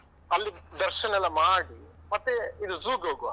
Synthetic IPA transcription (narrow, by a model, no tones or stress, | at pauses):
ɐlːid̪ɐɾʃɐnɛlːɐmaːɽi | mɐt̪ːeid̪uzuːɡoːɡu